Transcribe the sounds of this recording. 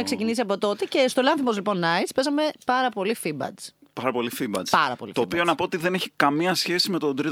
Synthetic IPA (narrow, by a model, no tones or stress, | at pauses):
ekse̞cinisiɐpo̞t̪o̞t̪ece̞st̪olɐ̃nθimo̞zlipo̞nːɐispe̞zɐme̞pɐɾɐpo̞lifibɐ̰t͡s | pɐɾɐpo̞lifibɐ̰pɐɾɐ̰polḭt̪oːpio̞nɐpoot̪iðe̞neçi̥kɐmiɐsçe̞simet̪o̞nd̪ɾi